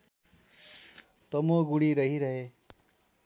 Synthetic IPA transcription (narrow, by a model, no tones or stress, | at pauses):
t̪ʌmoɡuɽiɾʌɦiɾʌɦe